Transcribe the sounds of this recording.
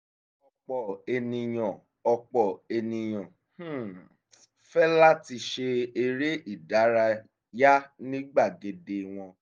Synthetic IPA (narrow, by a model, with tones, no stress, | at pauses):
ɔ˧k͡pɔ˨e˧nĩ˧j̃ɔ̃˨ | ɔ˧k͡pɔ˨e˧nĩ˧j̃ɔ̃˨ | h̩˦˨ | fɛ˦la˦ti˧ʃe˧e˧ɾe˦ʔi˦˨da˨˦ɾa˧ | ja˦nĩ˦ɡ͡ba˦˨ɡe˨de˧w̃ɔ̃˧